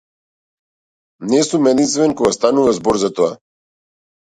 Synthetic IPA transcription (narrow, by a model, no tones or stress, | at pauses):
nɛsumɛd̪int̪st̪vɛnkɔɡast̪anuvazbɔɾzat̪ɔa